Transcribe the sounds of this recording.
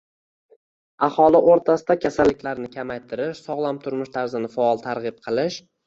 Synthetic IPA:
aχɒlɪʔoɾt̪ʰasɪd̪akʲʰasalːɪkʲlaɾnɪkʲʰamajt̪ʰɪɾɪʃsɒʁlˠamt̪ʰʊɾmɪʃt̪ʰaɾzɪnɪfaɒlˠt̪ʰaɾʁɨp̚qʰɨlˠɪʃ

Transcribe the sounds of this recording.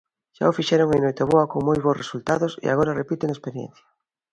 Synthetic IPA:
ʃa̰ofiʃɛɾoŋenojt̪eβoɐkoŋmojβosresult̪aðosḛa̰ɣ̞oɾarepit̪eŋespeɾjɛ̰̃n̟θja

